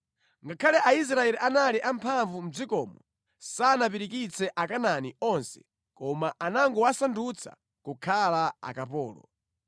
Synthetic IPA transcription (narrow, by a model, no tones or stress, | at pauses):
ŋɡakʰalɛʔais̬ɾaɛliʔanaliʔampʰaɱvum̩d͡zikɔːmɔ | saːnap̬iɾikit͡sʰɛʔakananiɔnsɛ̥̰ | kɔmaanaŋɡɔwasandut͡sʰa̰ | kukʰalaa̰kapɔːlɔ̰